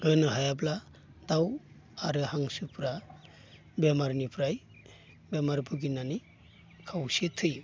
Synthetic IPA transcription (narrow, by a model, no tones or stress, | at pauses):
ɾɯnɯɦajabla | d̪aw | aɾɯhaŋsɯpʰɾa | bemaɾnipʰɾaj | bemaɾbʰɯɡinani | kʰawsitʰɯj